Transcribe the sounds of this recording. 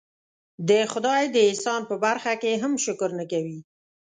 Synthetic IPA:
d̪əxʊd̪ɑjd̪əɪnsɑnpəbaɾxakeɦamʃʊkɾnəkawi

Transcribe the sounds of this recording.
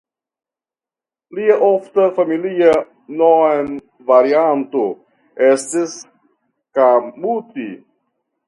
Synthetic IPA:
liaʔoftafamilia | non | vaɾianto | estis | kamuti

